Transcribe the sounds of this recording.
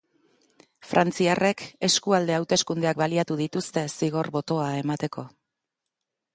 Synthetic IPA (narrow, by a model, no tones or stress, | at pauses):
fɾʔant͡siare̞ke̞skuald̪e̞awt̪e̞skund̪eak̚baliat̪uðit̪ust̪e̞siɣ̞o̞rβo̞t̪o̞ae̞mat̪e̞ko̞